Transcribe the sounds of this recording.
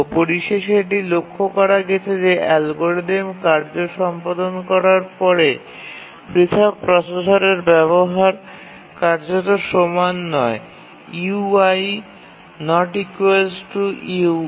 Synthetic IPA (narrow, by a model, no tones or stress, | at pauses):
poɾiʃeʃeʈ̬ilokʰːokɔɾaɡɛt͡ɕʰed͡ʑeʔɛlɡoɾɖ̪emkaɾd͡ʑoʃɔmpad̪onkɔɾaɾpɔɾe | pɾit̪ʰabpɾɔsesaɾeɾbɛβoɦaɾ | kaɾd͡ʑot̪oʃomanːɔe | iaj | nɔʈikuelssʈuiu